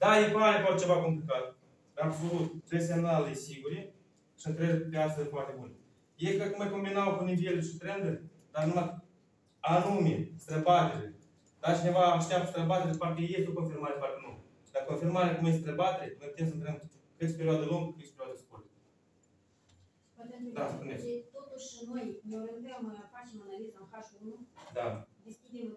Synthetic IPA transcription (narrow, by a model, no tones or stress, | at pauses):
d̪ajepamepat͡ʃevako̞mplikat̪̚ | d̪aɾabsolut̪̚t̪ɾes̬e̞mnalesiɡuɾʲe | sɨnt̪ɾeɾpeast̪əzʲfwart̪ebune | jekəkumeko̞mbinawkunivʲieluʃit̪ɾend̪eɾe | d̪anuma | anumʲest̪ɾebat̪eɾe | d̪at͡ʃinʲevaːʃt̪eap̚t̪ə̥st̪ɾebat̪eɾepart̪ʲejest̪eokonfiɾmaɾepart̪elumɡ | d̪akonfiɾmaɾekumes̬t̪ɾebat̪eɾemept̪emsənt̪ɾem | kɨt̪sʲpeɾioad̪elomɡəkɨt̪sʲpeɾʲiwad̪eskurt̪ə̥ | ed̪aspunet̪ot̪uʃːinojneɾed̪amajafat͡ʃemanalizanxaʃunud̪ad̪eskʲid̪em